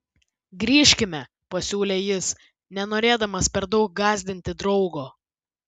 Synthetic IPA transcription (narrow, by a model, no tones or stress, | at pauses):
ɡɾʲiːʃʲkʲɪmʲɛ | pɐsʲuːlʲeːjɪs | nʲɛnoːɾʲeːd̪ɐmɐspʲɛɾd̪ɒʊk̚ɡɑːzʲd̪ʲɪnʲt̪ʲɪd̪ɾɒʊɡoː